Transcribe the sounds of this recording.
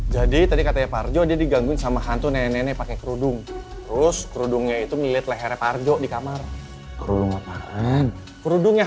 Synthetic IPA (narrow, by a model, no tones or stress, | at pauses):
d͡ʒadit̪adikat̪aɲapard͡ʒɔdiadiɡaŋɡʊŋsamaɦant̪unenɛnɛpakekəɾudʊŋt̪əɾʊskəɾudʊŋɲait̪uŋəliliat̪̚laɦeɾepard͡ʒɔdikamar | kəɾuduŋat̪aʔan | kəɾudʊŋɲa